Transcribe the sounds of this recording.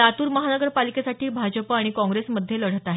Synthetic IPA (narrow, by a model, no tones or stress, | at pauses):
at̪uːɾməɦanəɡəɾpalikesaʈʰiːbʱad͡ʑəpaɽ̃ikɔ̃ŋɡɾesməd̪ʱːjeləɽ̤ət̪aɦe